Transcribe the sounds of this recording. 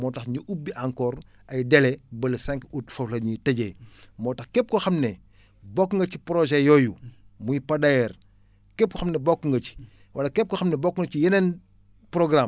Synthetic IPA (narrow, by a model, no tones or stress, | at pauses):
mɔːtɐxɲuʔubːiʔaŋkɔːɾ | ɐjdɛlɛbɐlsaŋkutfɐflɐɲitɐɟɛjmɔːtɐxkɛp̚kɔxɐmnɛ | bɔkːŋɡɐcipɾɔʒɛjɔjumujpɐdɐjɛr | kɛp̚kɔxɐmnɛbɔkːŋɡɐc | wʔɐlɐkɛp̚kɔxɐmnɛbɔkːŋɡɐcijɐnɛn | pɾɔɡɾam